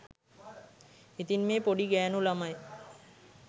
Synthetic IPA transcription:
it̪inmeːpoɽiɡɛnulamaj

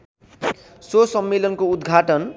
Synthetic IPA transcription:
sosʌmːelʌnkoud̪ɡʱaʈʌn

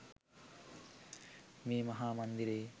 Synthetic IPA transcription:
meːmɐɦaːmɐnd̪iɾeː

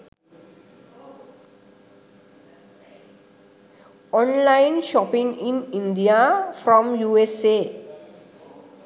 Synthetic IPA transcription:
ɔ̃nlaɪ̃nʃɔpĩŋĩnĩnɖijafɾɔ̃mjuːese

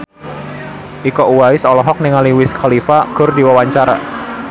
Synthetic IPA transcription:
ʔikɔʔuwaɪsɔlɔɦɔk̚nɪŋaliwɪskʰɔlifaɡ̥ʊrdiwawaɲt͡ʃaɾa̰

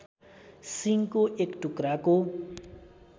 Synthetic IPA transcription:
siŋkoʔekʈukɾako

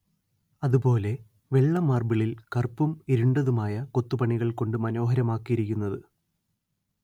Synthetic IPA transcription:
ɐðupo̞ːle̞ | ʋe̞ɭːɐmːaːrbiɭilkɐrpːumiɾuɳɖɐðumaːjɐko̞t̪ːupɐɳiɣɐɭko̞ɳɖɨmɐno̞ːɦɐɾɐmaːkːijiɾikʲːunːɐðɨ

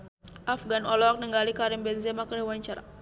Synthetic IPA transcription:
afɡanɔlɔak̚nəŋɡalikaɾimbɛnzɛmakəɾɛwaɲt͡ʃaɾa̰

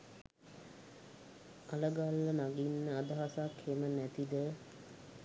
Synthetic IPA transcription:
aləɡalːənaɡinːəad̪əɦasakhemənæt̪id̪ə

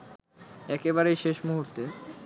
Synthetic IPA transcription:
ɛkebaɾejʃeʃmuɦuɾt̪e

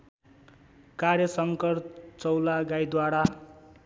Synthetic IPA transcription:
karjʌsʌŋkʌrt͡sʌwlaɡajd̪waɽa

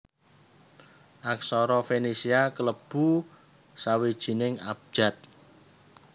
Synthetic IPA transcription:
ʔaksɔɾɔfenesiakələb̥u | sawed̥ʒ̥i̤nɪŋap̚d̥ʒ̥a̤t̪̚

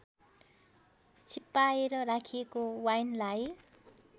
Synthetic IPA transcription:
t͡sʰipːaeɾʌɾakʰiekowajnlaj

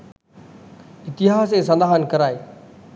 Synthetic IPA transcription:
ɪt̪ɪɦaːsesɐlaːɦənkɐɾaːeː

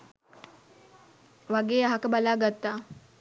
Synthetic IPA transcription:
ʋaɡeːaɦakəbalaːɡat̪ːaː

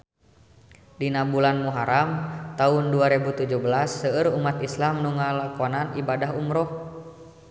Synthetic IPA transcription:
dinabulanmuɦaɾamt̪aunduaɾɛbut̪ud͡ʒuhbəlasːəəɾumat̪islamnuŋalakɔnanibadaɦumɾɔh

